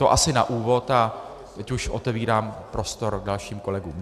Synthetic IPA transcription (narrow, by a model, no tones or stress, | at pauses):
t̪o̞ʔasɪna̰ʔuːvo̞t̪a | t̪ɛcuʃʔo̞t̪ɛviːɾaːmpɾʔo̞st̪o̞ɾdalʃiːmko̞lɛɡṵːm